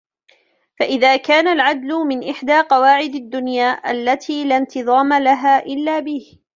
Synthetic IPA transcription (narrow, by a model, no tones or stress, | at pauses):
faʔɪðaːkaːnalʕad̪lʊmɪnʔɪħd̪aːqɑwaːʕɪd̪ad̪ːʊnjaːʔalːat̪ʰiːlant̪ɨðˤɑːmalaɦaːʔɪlːaːbɪh